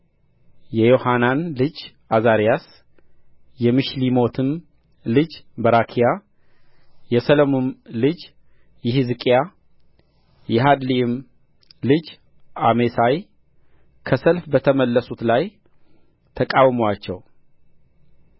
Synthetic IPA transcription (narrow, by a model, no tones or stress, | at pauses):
jɛjo̞hananlɨd͡ʒ | azaɾijas | jɛmɨʃlimo̞t̪ʰɨm | lɨd͡ʒbəɾakʰija | jɛsəlomonlɨd͡ʒ | jɪhɨzɨkʼja | jɛɦad̪liɪm | lɨd͡ʒ | amesaj | kʰəsəlfbət̪ʰəməlːəsut̪laj | t̪ʰəkʼawmowat͡ʃːɛw